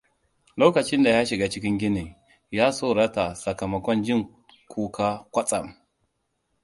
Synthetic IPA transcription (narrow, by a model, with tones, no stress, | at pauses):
loː˦kɐ˨t͡ʃɪ˦nda˨ja˦ʃi˨ɡa˦t͡ʃɪ˦k̬ʲɪ˦ŋɡʲɪ˦ni˨ | ja˦soː˦ɾa˦ta˨sɐ˨ka˨mɐ˨kʷɔ˦nd͡ʒɪ˦˨ŋ | kʰʷo˦ka˦kʷa˦t͡sʼa˨m